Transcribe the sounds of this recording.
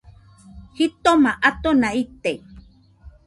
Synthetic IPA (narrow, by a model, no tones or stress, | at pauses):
hit̪omaʔat̪onait̪e